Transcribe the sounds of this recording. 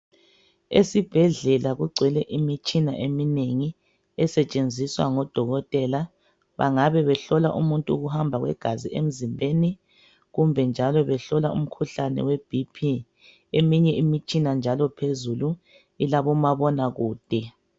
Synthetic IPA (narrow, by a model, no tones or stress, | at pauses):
ḛsib̥ʱɛɮɛlaɣuɡ͡ǀʱwɛlɛʔimit͡ʃʼina̰ʔemineŋi | ɛsɛt͡ʃʼend͡zʱiswa̰ŋɔd̥ʱɔɣɔtʼɛla | βa̰ŋaβɛβɛɬɔlaʔumuntʼuːɣuhambʱaɣwɛ̰ɡ̥ʱaziʔem̩zimbʱeni | ɣumbʱɛnd͡ʒʱalɔβɛɬɔlaṵm̩kʰuɬanɛ̰web̥ʱipʰi | emiɲɛimit͡ʃʼinand͡ʒʱalɔpʰezulu | ilaβɔmaβɔnaɣuːd̥ʱɛ